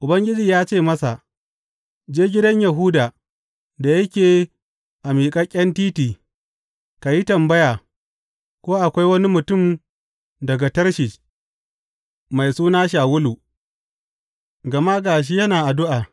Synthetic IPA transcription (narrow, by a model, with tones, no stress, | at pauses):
ʔʊ˨bɐ˦ŋɡʲɪ˦d͡ʒiː˨jaː˦t͡ʃeː˦˨mɐ˦sa̰˨ʔ | d͡ʒeː˦ɡʲɪ˦dɐ˦ɲja˨ɦʊː˦daː˨ | da˨jɐ˦kʲeː˨ | ʔa˨miː˨kʼɐ˦kʲʼɐ˦ntiː˦tiː˨ | ka˨ji˦tɐ˨mbɐ˦jaː˨ | kʷoː˦ʔa˨kʷa˦jwɐ˦ni˦mʊ˨tʊ˦˨m | dɐ˨ɡa˨tɐ˦rʃi˨ | ma˨jsuː˦naː˦ʃ̬aː˨wʊ˦luː˨ | ɡɐ˨ma˦ɡaː˨ʃ̬iː˦jɐ˦naː˨ʔa˨dʊ˦ʔaː˨